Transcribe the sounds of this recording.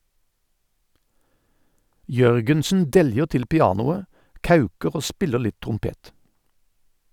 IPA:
ˈjœʁɡənsn̩ ˈdɛljəʁ ˈtɪl pɪˈɑːnʊə ˈkɑʉkəʁ ˈoː ˈspɪlə ˈɭɪt tʁʊmˈpeːt

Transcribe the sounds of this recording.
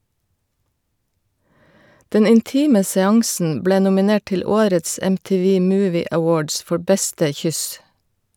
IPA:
ˈdɛn ɪnˈtiːmə sɛˈɑŋsn̩ ˈbleː nʊmɪˈneːʈ ˈʈɪl ˈoːɾəts ɛmtiːˈʋiː ˈmʉːʋɪ əˈwoːɖs ˈfɔɹ ˈbɛstə ˈçʏs

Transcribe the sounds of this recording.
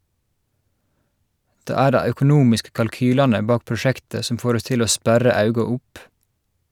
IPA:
ˈdeː ˈæː ˈɖæɪ œkʊˈnuːmɪskə kɑlˈkyːlɑnə ˈbɑːk pɹʊˈʃæktə ˈsɔm ˈfoːɾ ˈɔs ˈtɪl ˈoː ˈspæɾɑ ˈɑʉɡɑ ˈʊp

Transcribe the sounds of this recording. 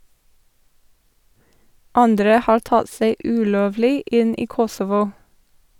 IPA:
ˈɑndɾə ˈhɑːɾ ˈtɑd ˈseɪ ˈʉːˌloːʋlɪ ˈɪn ˈiː ˈkɔsɔʋʊ

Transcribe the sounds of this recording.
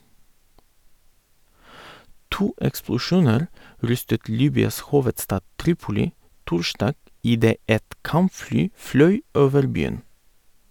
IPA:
ˈtuː ɛksplʊˈʃuːnəɾ ˈɾʏstət ˈliːbʏɑs ˈhuːʋətˌstɑː ˈtɾiːpʊlɪ ˈtʊɾˌʃdɑːɡ ɪˈdeː ˈɛt ˈkɑmˌflyː ˈflœʏ ˈoːʋəɾ ˈbyːən

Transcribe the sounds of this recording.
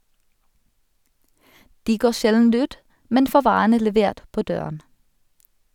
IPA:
ˈdiː ˈɡoː ˈʃɛln̩ ˈʉːt ˈmɛn ˈfoː ˈʋɑːʁənə lɛˈʋeːʁt ˈpoː ˈdøːʁən

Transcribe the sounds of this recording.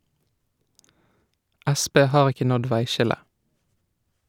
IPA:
ˈʔæˌspeː ˈhɑːʁ ˈɪkə ˈnɔd ˈʋæɪˌʃɪlə

